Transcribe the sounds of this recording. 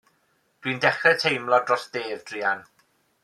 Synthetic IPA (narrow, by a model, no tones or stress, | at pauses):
d̥wiːndɛχrɛtʰejmlˠɔdrɔsd̥eːvd̥riːan